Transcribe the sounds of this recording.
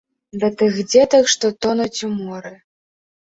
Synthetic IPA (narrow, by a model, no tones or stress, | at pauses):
d̪ɐt̪ɨxd͡zʲɛt̪ɐkʂt̪ɔt̪ɔnut͡sʲumɔɾɨ